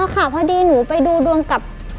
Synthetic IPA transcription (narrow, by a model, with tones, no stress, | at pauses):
a˧kʰaː˨˩pʰaː˧diː˧nuː˩˦pa˧jduː˧du˧əŋka˨˩p̚